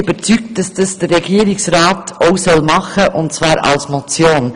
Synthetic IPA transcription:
b̥əɾt͡syk̚t̚d̥ɑsd̥ɑsd̥ərːɛɡ̥iːəɾɪksɾaːtʰoʊsœlmɑχəʔʊntt͡svɑːɾɑ̰lsmɔt͡sjoːn

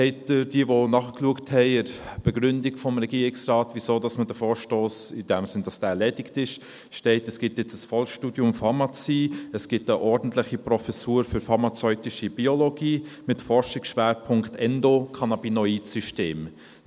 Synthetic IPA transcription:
sɛɪtd̥ɪɾd̥iəʋonɑːχkluəkthɛɪɪɾb̥ɛɡɾʏndɪɡfɔmɾɛɡiəɾɪksɾɑːtvizoːdɑsmədəfɔːʃtoːsɪd̥ɛmsɪnd̥ɑsd̥æːlɛdɪktɪʃ | ʃtɛɪtəsɡ̥ɪtjɪt͡səsfɔlʃtuːdjʊmfɑɾmɑt͡siːəsɡ̥ɪtəʔɔɾdn̩tlɪχiprɔfɛsuːɾfʏɾfɑɾmɑt͡sœʏtɪʃib̥ioloɡiːmɪtfɔɾʃɪksʃʋɛːɾpʰʊŋktɛndokʰɑnɑbinɔiːdsyʃteːm

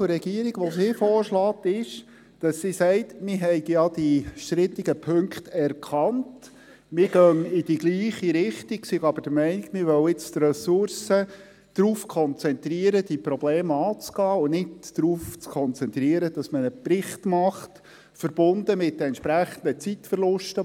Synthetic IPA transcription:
ʊɾɛɡiəɾiɡʋɔsifɔːɾʃlɑːtɪʃ | d̥ɑsːisɛɪtmɪɦɛɪɡjɑd̪iʃt̪ɾɪt̪ːiɡəpʰɵŋkχtɛɾkʰχɑnt | mɪɾɡœŋɪd̥iɡliːχiɾɪχtiksiɡɑbəd̥əmɛɪniɡ̥mɪɾʋœwɪt͡st̪rɛsʊɾsə | d̥ɾuːfkʰɔnt͡sɛnt̪ɾiːəɾəd̪ipɾɔbleːmɑːt͡sɡɑːʊnɪtdɾuːft͡skʰɔnt͡sɛnt̪ɾiəɾəd̥ɑsmənəprɪχt̪mɑχt | fəɾb̥ʊndəmɪt̚dəɛnt͡ʃʃpɾæχənd̪ət͡sitfəɾlʊʃtə

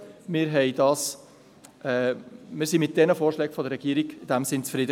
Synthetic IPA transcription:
mɪɾɦɛɪdɑːs | ɛmɪːɾsimɪt̚d̥ɛnəfoːrʃlɛːɡfɔdəɾːɛɡ̥iːɾiɡɪd̥æmsɪnt͡sfɾɪdə

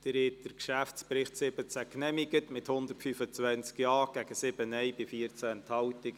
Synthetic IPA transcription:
d̥əɾɪtəɾkʃæft͡spɾɪχtsɪbət͡sæknɛmiɡətmɪthʊnd̪ərtfyfət͡sʋɛnt͡skjɑːɡ̥æɡ̥əsɪb̥ənɛjbɪfiəɾt͡sæɛnthɑwtɪk

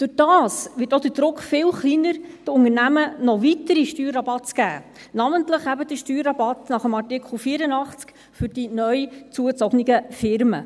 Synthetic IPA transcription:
d̥ʊd̥ɑːsʋɪːtod̥əd̥ɾʊkχfɪlχliːnəɾd̥ʊŋərnæmənɔvitəɾiʃtyːɾːɑbɑtt͡sɡ̥æ̰ː | nɑməntləχæbəd̥əʃtyːɾɑbɑtnɑχəmɑtɪkʰχl̩ˠfiːɾənɑχt͡sk | fʏɾd̥inœʏt͡suət͡sɔɡniɡəfɪɾmə

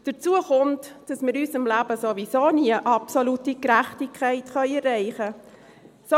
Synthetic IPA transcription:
d̥əɾt͡suəχʊntd̥ɑsmɪːɾyːsɪmlæːbəsovisoːniəʔɑpsolutikɾæχtikʰːæɪtχœʏɛrːɛɪχə | so

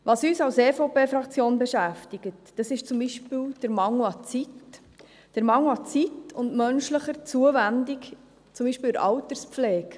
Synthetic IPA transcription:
ʋɑsyːsɑwseːfopeːfɾɑkt͡sjoːnbɛʃæftiɡətd̥ɑsɪʃt͡sʊmbiʃpiːld̥əɾmɑŋwɑt͡sit | d̥əɾmɑŋwɑt͡sitʊndmœnʃləχəɾt͡suəvændik | t͡sʊmbiːʃpiːləɾʔɑ̰wtəɾspflɛːk

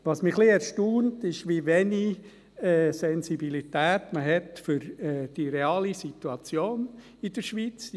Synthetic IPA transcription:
ʋɑsmiχliɛɾʃtuːntɪʃʋiʋɛni | ɛːsɛnsibilitæːtməɦɛtfʏɾɛːd̥iɾeɑːlisituɑt͡sjoːn | id̥əɾʃʋit͡s

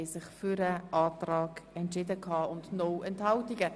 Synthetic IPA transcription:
ɪsɪχfyɾəɑːtrɑːɡɛntʃɪdəkʰɑːʊndnɔɛnthɑltiɡə

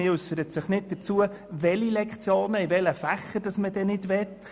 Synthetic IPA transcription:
ɪʏsːəɾət̪sɪχnɪt̚d̥əɾt͡suə | ʋɛlilɛkχt͡sjoːnəiʋɛləfæχːəd̥ɑsmədɛnɪdʋɛt̪ː

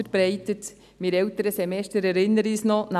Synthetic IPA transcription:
əɾb̥ɾɛɪtət | mɪɾɛltəɾəsɛmɛstəɾɛɾɪnːəɾiːsnɔna

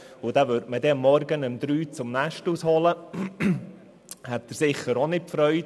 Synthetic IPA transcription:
ʊdavøɾtmədɛəmːɔɾɡənəmd̪ɾyːt͡sʊmnæʃtushɔlə | hɛtːəɾsɪχːəɾonɪtpfɾœʏt

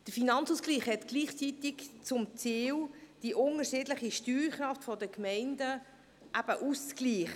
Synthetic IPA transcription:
d̥əɾfinɑnt͡suskliːχhɛtɡ̥liːχt͡sit̪ɪkt͡sʊmt͡siːld̥iʔʊnəʃɪːdlɪχiʃtyːɾχɾɑftfɔdəkmɛɪndə | ʔæb̥əʔuskliːχ

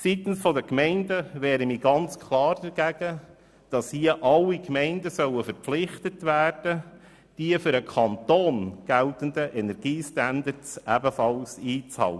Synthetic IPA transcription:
sit̪n̩sfɔd̪əkmɛɪndəʋɛːɾəmiːɡɑnt͡skʰlˠɑːrdəɾɡ̥æɡ̥ə | d̥ɑshiəʔɑlːikmɛɪndəsœwəfəɾpflɪχtətʋæːrd̥ə | d̥iəfʏɾəkʰɑnt̪oːnɡ̥ælt̪ənd̪əʔɛnɛɾɡ̥iːstændəɾtsʔæbəfɑlsiːt͡shɑ̰lə

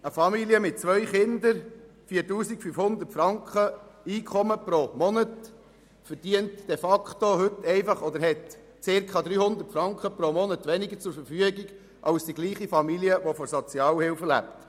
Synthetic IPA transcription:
əfɑmiliəmɪt̚t͡sʋœʏχɪnd̪əɾ | fiːəɾtuːsikfyfhʊnd̪ətfɾɑŋkχəiːkʰχɔməpɾomɔnət | fəɾd̥iəntd̥ɛfɑkχt̪ohɵt̪ːɛɪfɑχɔd̪əɾɦɛt | t͡sɪɾkʰɑd̪ɾiːhʊnd̪əɾtfɾɑŋkχəpɾomɔnətʋɛnɪɡət͡sʊɾfəɾfyəɡiɡ | ʔɑwsd̥iɡliːχifɑmiliəʋɔfɔɾsɔt͡sjɑːlhɪwfəlæ̰pt

